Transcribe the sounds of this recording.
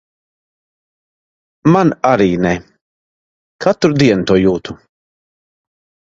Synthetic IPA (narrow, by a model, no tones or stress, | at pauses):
manaɾiːnɛ | kʰat̪ɾud̪iɛnut̪uɔjuːt̪u